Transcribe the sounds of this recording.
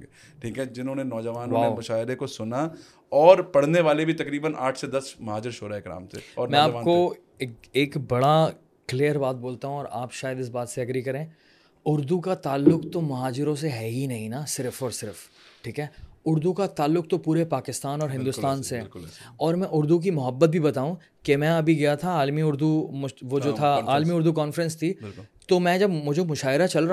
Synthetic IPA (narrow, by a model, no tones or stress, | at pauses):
ʈʰiːkɦɛd͡ʒɪnõːnenɔːd͡ʒəʋaːnʋaːeːmɐʃaːɪɾekosʊna | ɔːɾpɐɽ̤neʋaːlebʱit̪ɐkɾiːbənʔa̰ːʈʰsed̪ɐsmɐɦaːd͡ʒɪɾʃʰoːɾaeːkɾa̰ːmsḛɔːɾnmɛ̃aːpʋaːnko | keːkbɐɽa | kliːəɾbaːt̪̚boːlt̪aɦũɔːɾa̰ːpʃaːjəd̪ɪs̬baːt̪seɐɡɾikɐɾẽː | ʊɾd̪ukat̪aːlːʊkt̪omɐɦaːd͡ʒɪɾõs̬eɦɛːɦinɐɦĩnasɪɾfɔːɾsɪɾf | ʈʰiːkɦɛːʊɾd̪ukat̪aːlːʊk̚t̪opuːɾepaːkɪst̪aːnɔːɾɦɪ̃nd̪ʊːst̪aːnseɔːɾmɛ̃ʔʊɾd̪uk̬imʊɦəbːət̪̚bʱibɐt̪aːũ | kemɛ̃ɐbʱiɡɐjat̪ʰaaːlmiʊɾd̪umʊʋod͡ʒoːt̪ʰaaːlmiʊɾd̪ukɔːnfəɾə̃nst̪ʰit̪omɛ̃d͡ʒɐbmʊd͡ʒʱemʊʃaːɦɪɾat͡ʃɐlɾa